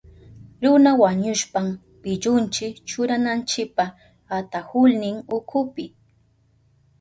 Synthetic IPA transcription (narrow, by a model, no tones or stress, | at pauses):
ɾʊnawaɲʊʃpam | pɪʎʊnt͡ʃɪkt͡ʃʊɾanant͡ʃɪk̚pa | at̪ahʊlnɪŋʊkʰʊpɪ